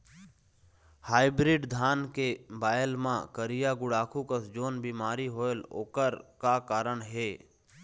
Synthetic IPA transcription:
haːɪbɾɪɖd̪ʱaːnkebaːjəlmãkəɾɪjaɡʊɽaːkʰukəsd͡ʒoːnbiːmaːɾiɦoːelo̰ːkəɾkakaːɾəɳ̃ɦeː

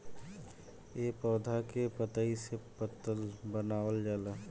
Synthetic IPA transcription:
epɔːd̪ʱakepət̪əisepət̪ːəlbənawəld͡ʒaːla

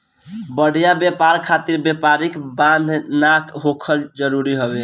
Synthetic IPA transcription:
bəɽ̤ijabjepaɾkʰat̪iɾbjepaɾikbãnd̪ʱnakɦokʰəld͡ʒəɾuɾiɦəbe

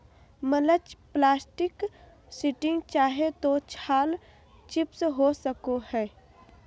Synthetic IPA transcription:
mələt͡ʃplaːsʈɪk | sɪʈɪ̃ŋɡt͡ʃaːɦet̪ot͡ʃʰaːl | t͡ʃɪpsɦosəkohɛː

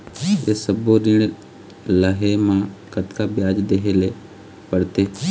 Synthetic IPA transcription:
jesəbod̪ɪn | ləɦemãkət̪kabjaːd͡ʒd̪eɦele | pəɽt̪eː

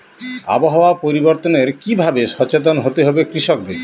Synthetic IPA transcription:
a̰boɦaoapoɾiboɾt̪oneɾkibʱabeʃɔt͡ɕet̪̬onɦot̪eɦɔbekɾiʃɔk̚d̪eɾ

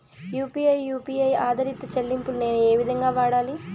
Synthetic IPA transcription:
juːpiːɐjːuːpiːɐjaːd̪ʱɐɾit̪ːɐt͡ʃɐlːimpulune̞ːnue̞ːʋid̪ʱɐŋɡaːʋaːɽaːli

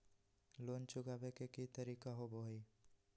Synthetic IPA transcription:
loːnt͡ʃʊɡabekekit̪əɾikaɦoboɦi

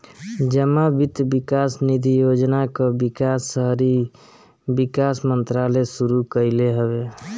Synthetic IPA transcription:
d͡ʒəmabit̪bikasnid̪ʱijod͡ʒnakobikasːəɦɾi | bikasmənt̪ɾalesuɾukəɪleɦəbe

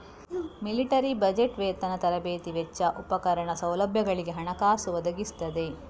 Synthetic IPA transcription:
miliʈɐɾibɐd͡ʒeʈʋeːt̪ɐnɐt̪ɐɾɐbeːt̪iʋet͡ʃːɐʔupɐkɐɾɐɳɐsɐwlɐbʱjɐɡɐɭiɡe̞ɦɐɳɐkaːsuʋɐd̪ɐɡist̪ɐd̪e̞

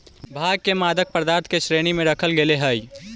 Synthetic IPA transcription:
bʱaːɡ̚kemaːd̪ək̚pəɾd̪aːɾt̪ʰkeʃɾeːñimẽɾɐkʰəlɡeleɦaːi

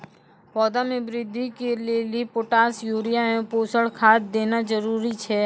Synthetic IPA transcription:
pɔːd̪amẽbɾɪd̪ʱːikelieliepoʈaːsjuːɾijamẽpoːsəɽkʰaːt̪̚d̪eːnazəɾuːɾit͡ʃʰɛː

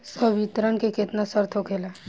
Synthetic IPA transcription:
səbit̪ɾənkeket̪nasəɾt̪ʰokʰeːla

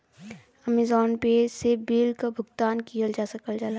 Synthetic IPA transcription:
ɐmɪzɔːnpesebiːlkabʱʊɡt̪aːnkijəld͡ʒaːsɐkəld͡ʒalaː

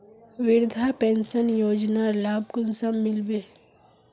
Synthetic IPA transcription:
ʋɪɾd̪ʱapɛ̃nsənjoːd͡ʒnalaːb̚kʊnsamːɪlbeː

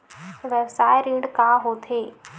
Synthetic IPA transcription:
ʋɛbsaːjɾiːɳɖkãɦoːt̪ʰeː

